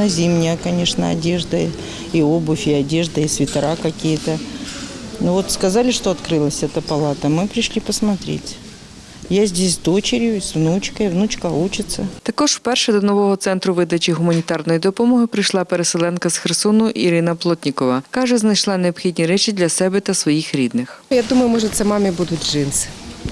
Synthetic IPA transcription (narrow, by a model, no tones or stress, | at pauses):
ɐzʲimnʲakɐnʲeʂnə̰ɐ̰dʲe̞ʐd̪ə | iobʊfʲɪɐdʲeʐd̪əisʲvʲɪt̪ɐɾakɐkʲijət̪ə | novot̪skɐzalʲɪʂt̪oɐt̪kɾɨlˠəsʲɛt̪əpɐlˠat̪əmɨpɾʲɪʂlʲipəsmɐt̪ɾʲḛtʲ | jazʲdʲesʲd̪ot͡ɕɪɾʲjʊsvnut͡ɕkəivnut͡ɕkəut͡ɕɪt̪sːət̪ɐkɔʐwpɛrʃɛd̪ɔnɔʋɔɦɔt̪sɛnt̪ɾʊʋɪd̪ɐt͡ʃiɦʊmɐnʲit̪ɑrnɔjid̪ɔpɔmɔɦɪpɾɪjʃlˠɑpeɾeselˠɛnkɐsxersɔnʊʔiɾɪnɐplˠɔtʲnʲɪkɔʋɐkɑʒɛznɐjʃlˠɑneɔbxʲidʲnʲiɾɛt͡ʃʲid̪lʲɐsɛbɛt̪ɐsʋɔjixɾʲid̪nɪxjad̪uməjʊmɔʐɛt̪sɛmɑmʲibud̪ʊtʲʐɪnsɪ̥